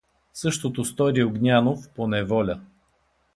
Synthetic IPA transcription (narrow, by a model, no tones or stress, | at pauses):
sɤʃt̪ot̪ost̪ɔɾioɡnʲanofponɛvɔlʲə